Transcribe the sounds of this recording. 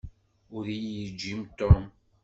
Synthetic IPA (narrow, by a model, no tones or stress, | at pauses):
ʊɾijəd͡ʒːimt̪ʊ